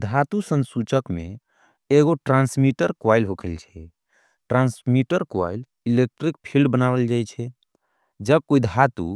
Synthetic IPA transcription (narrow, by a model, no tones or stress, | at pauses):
d̪ʱat̪usənsut͡ʃəkmḛ | eɡoʈɾansmiʈəɾkwajlɦokʰəlt͡ʃʰɛ | ʈɾãnsmiʈəɾkwa̰jl | ilek̚ʈɾik̚pʰilɖbənabəld͡ʒajt͡ʃʰɛ | d͡ʒəb̚koid̪ʱat̪ṵ